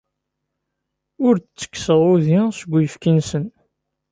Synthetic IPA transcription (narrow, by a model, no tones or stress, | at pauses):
ʊɾt͡sːə̥kːsəʁuðisəɡʷːjəfkinsən